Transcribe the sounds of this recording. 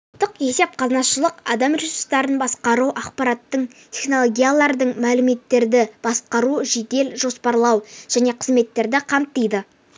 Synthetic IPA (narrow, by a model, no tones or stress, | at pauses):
t̪ːəqe̞se̞p̚qʰɑznɑsʃəlˠəqɑd̪ɑmrizʊst̪ɑɾənbɑsqɑɾuʔɑqpɑɾɑt̪ːəɴt̪ʲʰeχno̞lˠo̞ɡʲijalˠɑɾd̪əɴmælɪme̞t̪ːe̞ɾd̪ɪb̥ɑsqɑɾuʒed̪e̞lʒo̞spɑɾlˠɑwʒ̥æne̞qʰəzme̞t̪ːe̞ɾd̪ɪqʰɑmt̪ːəjd̪ə